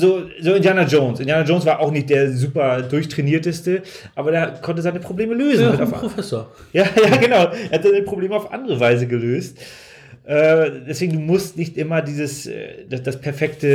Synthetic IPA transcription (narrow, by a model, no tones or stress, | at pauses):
zoːzoːɪndjaːnad͡ʒoʊnsʔɪndjaːnad͡ʒoʊnsv̥aːɐʔaʊxnɪçt̚d̥eːɐzuːpɐdʊɐçtʁ̥ɛniːɐtəstə | ʔaːbɐdeːɐkʰɔntəzaɪnəpʁ̥obleːməløːzn̩aʊfofɛsoːɐ | jaːjaːɡənaʊʔeɐhatzɪnpʁ̥obleːməaʊfʔa̰ndəʁəvaɪzəɡəløːst | ʔɛːd̥ɛsv̥eːɡŋ̩duːmʊstnɪçtʔɪmɐdiːzəsɛ̰ːd̥ad̥aspʰɛɐfɛktə